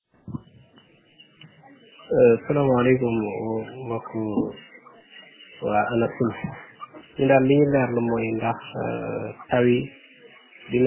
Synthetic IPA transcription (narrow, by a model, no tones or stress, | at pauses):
salaːmalekummaku | waʔanasul | ɲindaɾliɲilaɾləmojindax | tawi | din